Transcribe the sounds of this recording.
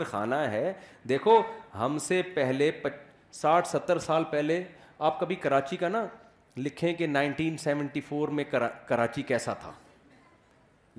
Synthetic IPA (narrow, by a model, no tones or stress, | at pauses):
ɾxa̰ːnaɦɛːd̪eːkʰoɦɐmsepɛɦlep | saːʈʰsɐt̪ːəɾsaːlpɛɦleaːp̚kɐbʱikɐɾaːt͡ʃikana | lɪkʰẽkenãːɪ̃ɳʈiːnsɛːʋə̃ɳʈifʰoːɾmẽkɐɾaːt͡ʃikɛːsat̪ʰa̰ː